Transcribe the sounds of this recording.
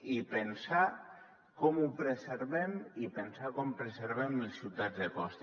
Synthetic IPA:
ipensa | kɔmupɾeseɾβɛmipensakɔmpɾeseɾβɛmelsiwt̪ad̪zðekɔst̪

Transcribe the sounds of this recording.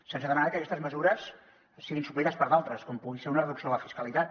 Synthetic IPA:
sensəðəmanakəkɛst̪əzməzuɾəs | siɣinsup̬lit̪əspəɾðalˠt̪ɾəskɔmpuɣiseɾunərəðuksioləfiskəlit̪at̪̚

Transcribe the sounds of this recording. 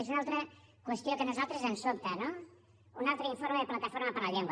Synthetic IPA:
ezunalˠt̪ɾə | kwəst̪jokənuzalˠt̪ɾəzənsop̚t̪əno | unalˠt̪ɾəiɱfoɾmeðəplat̪əfoɾməpəɾləʎeŋɡw

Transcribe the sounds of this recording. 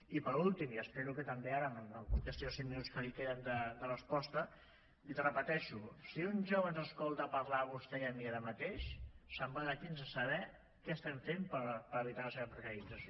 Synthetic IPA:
ipəɾulˠt̪imiəspeɾukət̪əmbeaɾəməəkəst̪iosiminuskəlikeðənd̪əd̪ərəspɔst̪ə | it̪rəpət̪ɛʃusiunʒoβənzəskɔlˠt̪əpəɾlaːβust̪ɛjəmiaɾəmət̪eʃsəmbənəkinzəsəβ̞ɛ | kɛəst̪ɛɱfempəɾpəɾəβit̪aləseβəpɾəkəɾid͡zəs

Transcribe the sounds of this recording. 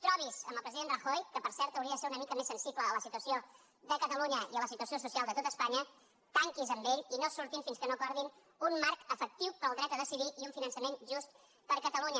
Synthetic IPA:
t̪ɾɔβ̞izə̰mbəlˠpɾəziðendrəxojkəpəɾsɛɾt̪əwɾiəðəseɾunəmikəmesːənsipləːləsit̪uəsio | ðəkət̪əluɲəiələsit̪uəsiosusialˠd̪ət̪ot̪əspaɲə | t̪aŋkizəmbeʎinosuɾt̪imfinskənopaɾðin | unmaɾkəfək̚t̪iwpəlˠd̪ɾɛt̪əðəsiðiʔiuɱfinənsəmenʒust̪̚ | pəɾkət̪əluɲə

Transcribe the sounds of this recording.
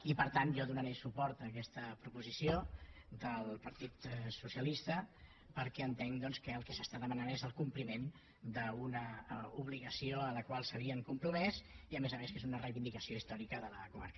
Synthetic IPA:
ipəɾt̪anʒɔðunəɾesupɔɾt̪əkɛst̪əpɾupuzisiod̪əlˠpəɾt̪it̪susiəlist̪ə | pəɾkɛənt̪ɛŋd̪ɔnskəːlˠkɛsəst̪aðəmənanezəlˠkumplimen | d̪əunəuβ̞liɣəsioələkwalˠsəβiəŋkumpɾumɛziəmezəmeskezunərəjβind̪ikəsioist̪ɔɾikəðələkuma̰ɾkə

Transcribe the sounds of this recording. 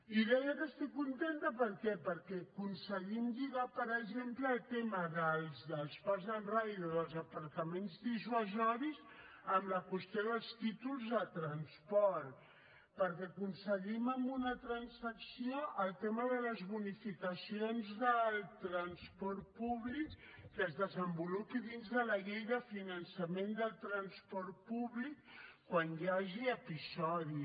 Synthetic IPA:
iðɛjəkəst̪ikːunt̪ent̪əpəɾkɛpəɾkɛkunsəɣimʒiɣapəɾəʒempləːlˠt̪eməðəlˠzðəlˠspazðənrajðoðəlˠzəpəɾt̪əmenzðiʒuəzɔɾis | əmləkwəst̪joðəlˠst̪it̪ulˠzðət̪ɾənspɔɾt̪ | pəɾkɛakunsəʎiməmbunət̪ɾənsəksioʔəlˠt̪eməðələzβunifikəsionzðəlˠt̪ɾənspɔɾt̪̚puβlikːəzðəzəmbulupiðinzðələʎejðəfinənsəmẽnd̪əlˠt̪ɾənspɔɾt̪̚puβlikkːwanjaʒiəpisɔði

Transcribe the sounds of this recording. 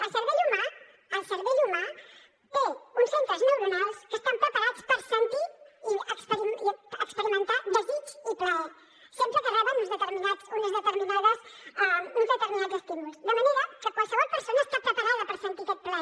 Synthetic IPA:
əsəɾβəʒuna | əsəɾβəʒuna | ounsont̪azmeɾmunalˠskəst̪ampɾəpɐɾat͡spəɾsent̪uuəkspəɾiəkspəɾimənt̪abəzusuplaw | sompɾəpəɾaðəunɐzðət̪əɾminasunəzðət̪əɾminaðəsəunzðət̪əɾminad͡zəspunusβənənuðakəkwalˠsəβɔlˠpəɾsonɐəst̪apɾəpɐɾaðəpəɾsent̪ut̪ot̪̚plaw

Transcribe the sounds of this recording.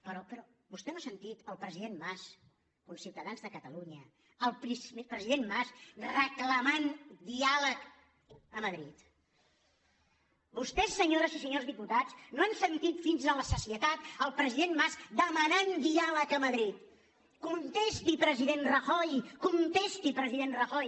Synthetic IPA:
pəɾɔpəɾɔbust̪ɛnoasənt̪it̪əlˠpɾəziðemmas | komsiwt̪əðanzðəkət̪əluɲə | əlˠpɾispɾəziðenmasrəkləmand̪ialək | əməðɾit̪ | bust̪ɛsːəɲoɾəzisəɲozðiput̪at͡snoansənt̪it̪finzələsəsiət̪at̪əlˠpɾəziðenmazd̪əmənand̪ialəkəməðɾit̪ | kunt̪est̪ipɾəziðenrəxɔjkunt̪est̪ipɾəziðenrəxɔj

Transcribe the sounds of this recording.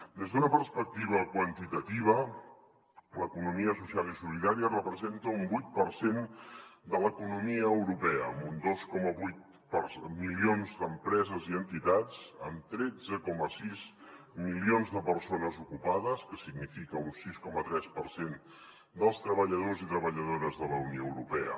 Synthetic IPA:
d̪ezðunəpərspək̚t̪iβ̞əkwənt̪it̪ət̪iβ̞ə | ləkunumiəsusialisuliðaɾiərəpɾəzent̪əumbujt̪̚pəɾsend̪ələkunumiəːwɾupɛəːmund̪oskɔməβujt̪̚ | pərsmilionzd̪əmpɾɛzəziənt̪it̪at͡sə̰mt̪ɾɛd͡zəkɔməsiz | milionzðəpərsonəzukupaðəskəsiɡnifikəunsiskɔmət̪ɾɛspərsen | d̪əlˠst̪ɾəβəʎəð̞ozit̪ɾəβəʎəðoɾəzðələunijoəwɾupɛə̰

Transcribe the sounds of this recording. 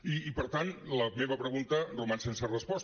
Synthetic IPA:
iːpəɾt̪anləmeβəpɾəɣunt̪ərumansensərəspɔs

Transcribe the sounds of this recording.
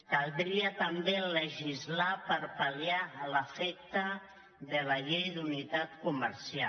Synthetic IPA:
kalˠd̪ɾiət̪ambeləʒizlapəɾpalialəfɛk̚t̪ə | ðəlaʎejd̪unit̪at̪kumə̰ɾsia

